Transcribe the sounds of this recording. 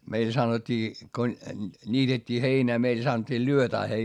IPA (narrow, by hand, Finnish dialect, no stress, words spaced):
meil sɑnotʲːiː ko nʲiːtetʲːiː heinæː meil sɑnŏtʲːiː lyøtæː hei lyːʋːæː